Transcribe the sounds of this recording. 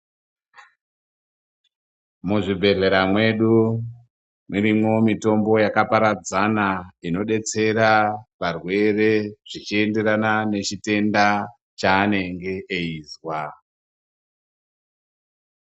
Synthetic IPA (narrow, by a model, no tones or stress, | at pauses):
muʐibʱe̞ɮe̞ɾamwe̞ɗu | miɾimo̞mito̞mbo̞jakapaɾad͡zanaino̞ɗe̞t͡se̞ɾaʋarwe̞re̞ʐ̥it͡ʃie̞nde̞ɾanane̞t͡ʃite̞nda | t͡ʃaːne̞ŋɡe̞ʔeiːzwa